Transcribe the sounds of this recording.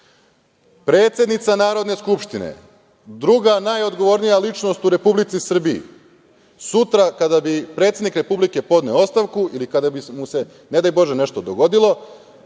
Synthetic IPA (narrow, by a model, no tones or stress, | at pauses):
pɾe̞ːt̪sjed̪nit̪sanaːɾo̞d̪neskupʃt̪inḛ | d̪ɾuɡanajo̞d̪ɡo̞ʋo̞ɾnijalit͡ʃno̞st̪uɾe̞publit̪sisr̩biḭ | sut̪ɾakad̪abipɾet̪sʲed̪nikɾe̞publike̞po̞d̪ne̞oo̞st̪aʋkuilikad̪abimuse̞ | ne̞d̪ajbo̞ʒene̞ʃt̪o̞d̪oɡo̞d̪ilˠo̞